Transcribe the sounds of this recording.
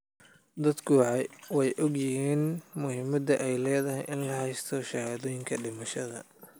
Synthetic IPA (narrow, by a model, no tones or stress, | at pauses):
d̪ɐd̪kʰuʕɑjwɑjʔɔɡjɪhiːnmʊhɪmɐd̪ɐʔɛjlɛːðɐhɛ̰jʔɪnlɐhɛjst̪ʰɔʃɐhaːðɔːjɪŋkʰɐɖɪmɐʃɐðɐ̰